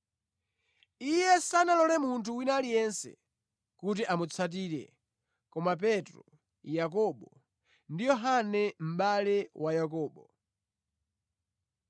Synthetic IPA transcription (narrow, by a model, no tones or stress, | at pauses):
ijɛsanalɔlɛmuntʰuwinalijɛnsɛ̰ | kut̬iʔamut͡sʰat̬iːɾɛ̰ | kɔmap̬ɛtɾɔ | jak̬ɔɓɔ | ndijɔɦanɛm̩ɓalɛwajak̬ɔːɓɔ